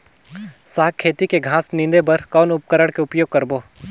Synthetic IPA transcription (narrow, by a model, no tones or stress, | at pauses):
saːɦkʰːeːt̪ikeɡʱãːsnɪ̃nd̪ebəɾkɔːnʊp̚kəɾəɽkeʊpjoːɡ̚kɐɾboː